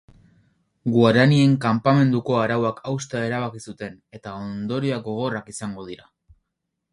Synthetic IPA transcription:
ɡuaɾanie̞ŋkampame̞nd̪uko̞aɾawakʰawst̪ae̞ɾaβakisut̪e̞ne̞t̪ao̞nd̪o̞ɾiaɡo̞ɣ̞o̞rakisaŋɡo̞ð̞iɾa

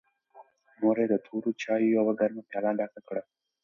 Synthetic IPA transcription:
moːɾeːd̪ət̪ʰuːɾut͡ʃʰaːjujawaɡɐɾmapjaːlãːɖaːkakɽa

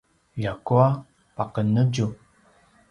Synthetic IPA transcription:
jakua | pakənəd͡ʒu

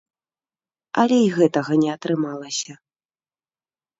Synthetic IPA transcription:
ɐlʲɛiɣɛt̪ɐɣɐnʲɛat̪ɾɨmalˠɐsʲɐ

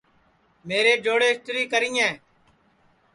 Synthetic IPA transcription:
meːɾeːd͡ʒoːɽeːsʈɾiːkəɾiːɛ̃ː

